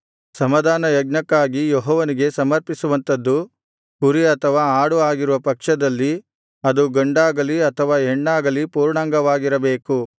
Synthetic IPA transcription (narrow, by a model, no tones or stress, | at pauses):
sɐmɐd̪ʱaːnɐjɐɡ̚nɐkːaːɡijoɦɔːʋɐniɡe̞sɐmɐɾpisuʋɐnt̪ɐd̪ːu | kuɾiɐt̪ʰɐʋaːaːɽuaːɡiɾuʋɐpɐkʂɐd̪ɐlːi | ɐd̪uɡɐɳɖaːɡɐliɐt̪ʰɐʋaːeɳːaːɡɐlipuːɾɳaːŋɡɐʋaːɡiɾɐbeːku